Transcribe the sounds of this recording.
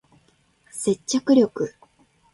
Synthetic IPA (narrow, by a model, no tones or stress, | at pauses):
se̞t͡ɕt͡ɕːakɯ̟ɾʲo̞kɯ̟